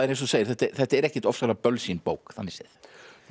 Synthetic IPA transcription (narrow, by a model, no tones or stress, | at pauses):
ɛɾẽjns̬ɔseːjɪ̥ɾθɛht̪ɛθɛht̪aɛɾɛhcɪt̪ɔfsvɛɾapœlsinpoːwkθanːɪsɛ̰ɪθ